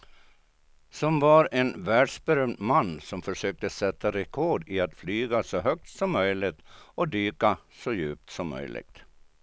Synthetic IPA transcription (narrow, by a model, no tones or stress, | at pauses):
sɔmvaɾenvæːɖʂbɛɾœmd̪manːsɔmfœʂøːk̚t̪əsɛt̪ːaɾɛkʰɔɖɪat̪flyːɡasɔɦœk̚t̪sɔmːœjlɪɡt̪ɔd̪yːkasɔjʉ̰ːp̚t̪sɔmːœ̰jlɪ̰ɡ̥̚t̪